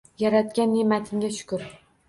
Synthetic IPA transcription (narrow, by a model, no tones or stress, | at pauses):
jaɾat̪̚kʲanːemat̪ʰɪmɡʲaʃʊ̥kʊɾ